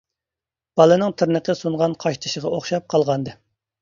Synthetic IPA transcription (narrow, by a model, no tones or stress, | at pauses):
b̥ɑlˠɨnɨŋt̪ʰɪɾnəqʰəsuɴʁɑnqʰɑʃt̪ʰɨ̥ʃəʁɑoχʃɑp̚qʰɑlˠʁɑnd̪ɨ